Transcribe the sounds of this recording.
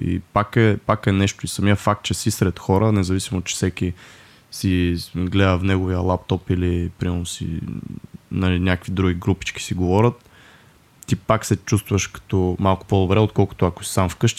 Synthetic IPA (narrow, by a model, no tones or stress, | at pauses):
ḭpakɛpakɛnɛʃt̪oisɐmiəfak̚t̪̚t͡ʃɛsisɾɛt̪xɔɾənɛzɐvisimot͡ʃɛ̥sɛkʲi | siɡlɛd̪əfnɛɡoviəlˠap̚t̪ɔpilipɾimɛɾnʊsḭ | nɐlinʲakəkvid̪ɾuɡʲiɡɾupi̥t͡ʃki̥siɡovɔɾʲət̪ː | ipaksɛt͡ʃust̪vɐʃkɐ̥t̪ɔmalˠkʊ̥pod̪obɾɛot̪̚kɔlˠkʊ̥t̪oɐko̥si̥samfkɤʃt̪